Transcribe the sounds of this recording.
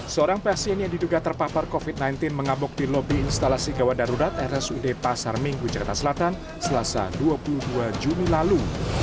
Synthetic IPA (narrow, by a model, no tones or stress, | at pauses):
səoɾaŋpɛrsiɛnjaŋdiduɡat̪ərpaparkofit̪̚najnt̪ɪnməŋabʊk̚dilɔbiɪnst̪alasiɡawadaɾuɾat̪ɛɾɛsudepasarmiŋɡud͡ʒakart̪asəlat̪an | səlasa̰duapuluduad͡ʒunilalu